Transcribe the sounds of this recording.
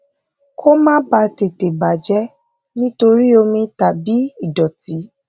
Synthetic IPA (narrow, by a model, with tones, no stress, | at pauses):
kʰo˦mãː˦ba˧te˨te˨ba˨d͡ʒɛ˦ | nĩ˦to˧ɾi˦o˧mĩ˧ta˨bi˨˦i˦˨dɔ˨ti˨˦